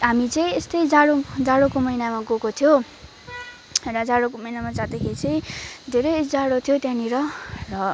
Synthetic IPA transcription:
ɦamit͡sʌ̃ĩest̪ʌjd͡zaɽod͡zaɽokomʌinamaɡokot̪ʰijo | rʌd͡zaɽokomʌijnamad͡zad̪ekʰeɾit͡sʌ̃ĩd̪ʱeɾʌjd͡zaɽot̪ʰijot̪jãniɾʌrʌ

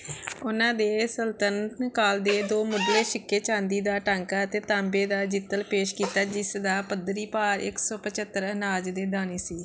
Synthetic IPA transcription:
ʊnãːd̪eːsəlt̪ənkaːld̪eːd̪oːmʊɖleːʃɪkːeːt͡ʃãːnd̪iːd̪aːʈãːŋkaːət̪eːt̪ãːmbeːd̪aːd͡ʒɪt̪ːəlpeːʃkiːt̪aːd͡ʒɪsd̪aːpəd̪ɾiːpaːɾɪ̰ksɔːpət͡ʃət̪ːəɾənaːd͡ʒd̪eːd̪aːneːsiː

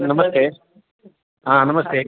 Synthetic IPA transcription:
nɐmɐst̪eː | aːnɐmɐst̪eː

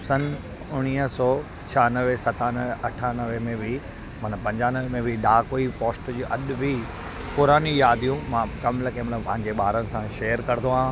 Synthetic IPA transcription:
sɐn | ʊɽ̃iːəsɔː | t͡ɕʰanəʋesɐt̪aːnəʋɐʈʰaːnɐʋemẽbʱɪ | mɐnəpɐ̃ɲd͡ʑaːnəʋemẽbʱɪɗaːkoipoːsʈd͡ʑuːʔɐɗbʱi | pʊɾaːnijaːd̪ʱijũmãkɐmlɐkẽmɐt̪ləbpɐ̃ɦɪ̃ɲd͡ʑeɓaːɾənɪ̆sãʃeːjəɾkɐɾɪt̪oã

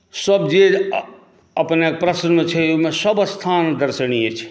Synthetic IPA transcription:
səbd͡ʒe | əpnekpɾəsənmẽt͡ʃʰɛomesəbst̪ʰand̪əɾsəniet͡ʃʰɛ̥

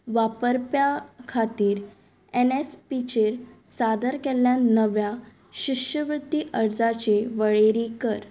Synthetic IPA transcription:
ʋapəɾpjakʰat̪iːɾ | enespit͡ɕeɾsad̪əɾkɛljanəʋja | ɕiɕəʋɾut̪ːiːʔəɾd͡zat͡ɕeʋəɭeɾikəɾ

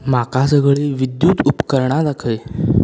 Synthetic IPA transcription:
makasəɡɭeʋid̪juːt̪upkəɾɳad̪akʰəj

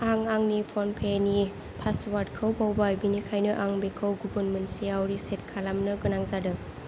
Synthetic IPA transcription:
aŋaŋnipʰɔnpʰeni | pʰaswaɾdkʰɯwbawbajbinikʰajnɯʔaŋbekʰɯwɡubənmentsiawɾiset̚kʰalamnɯɡɯnaŋzadɯ

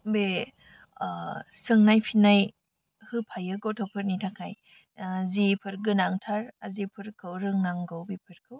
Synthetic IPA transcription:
be | sɯŋnajpʰinaj | hɯpʰajɯɡɔwtʰɔpʰɯɾnitʰakʰaj | azipʰɯɾɡɯnaŋtʰaɾazipʰɯɾkʰɯwɾɯŋnaŋɡɔwbipʰɯɾkʰɯw

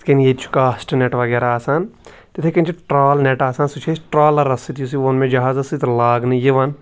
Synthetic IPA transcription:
kenjet̪t͡ʃʰu̥kaːsʈneʈʋɐɡeːɾaaːsaːn | t̪et̪ʰekɐnʲt͡ʃʰiʈɾaːlneʈaːsaːnsut͡ʃʰesʈɾaːlɐɾɐsit̪jus̬iʋonmẽd͡ʒɐɦaːzɐsit̪laːɡnɨjiʋɐn

